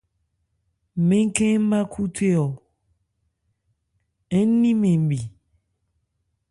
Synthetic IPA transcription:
mẽ˦ŋ̩˦kẽ˦m̩˦ma˦kʰu˦tʰe˦ɔ˨ | ɛ˦n˦nĩ˦mẽ˨m̩˨bi˨

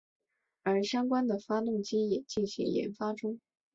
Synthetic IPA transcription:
ə˞˧˥ɕjɑ˥ŋkwa˥nd̪ə˨fa˥t̪ʊ˥˩ŋt͡ɕi˥jɛ˨˩t͡ɕi˥˩nɕḭ˧˥ŋjɛ̰˧˥nfa˥ʈ͡ʂʊ˥ŋ

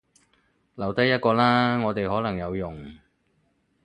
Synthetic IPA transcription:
lɐ˨˩wt̪ɐ˥jɐ˥t̚kɔː˧laː˥ŋɔː˨˧t̪e˨jhɔː˨˥lɐ˨˩ŋjɐ˨˧wjʊ˨˩ŋ

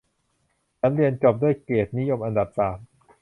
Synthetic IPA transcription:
t͡ɕʰa˦˥mɾi˧ənt͡ɕo˨˩p̚du˥˩əjkeː˨˩t̪̚ni˦˥jo˧mʔa˧nda˨˩p̚saː˨˩˦m

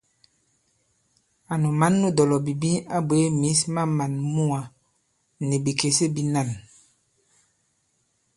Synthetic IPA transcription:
a˨nu˨ma˨˦nːu˦dɔ˨lɔ˨bi˨bi˦a˦bwe˨˦mi˨˦sma˦ma˨nmu˦a˨ | ni˨bi˨ke˨se˦bi˦na˦˨n

